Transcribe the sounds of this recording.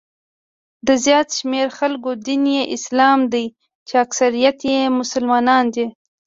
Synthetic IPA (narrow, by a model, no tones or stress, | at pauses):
d̪əzjɑt̪ʃmeɾxalkod̪injeʔɪslɑmd̪aj | t͡ʃeaksaɾijat̪jemʊsʊlmɑnɑnd̪e